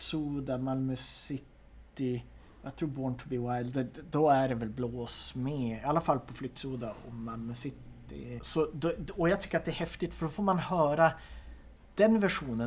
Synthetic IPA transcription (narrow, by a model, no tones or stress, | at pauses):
suːd̪amalmœsɪt̪ːɪ | jat̪ʰɾuːɾbɔɳt̪ʰʊbiːwajd̪d̪ɛd̪ɔæɖɛvɛlbloːsmɛalːafalːpʰɔflʏk̚t̪suːd̪aɔ̰ːalmœsɪt̪ː | ɪ̰sɔd̪ɔjaɡt̪ʏ̥kːəɾat̪̚d̪ɛæːɾhɛft̪ɪt̪fœɖɔfoːɾmanhœːɾa | d̪̥ɛnvæʂuːnə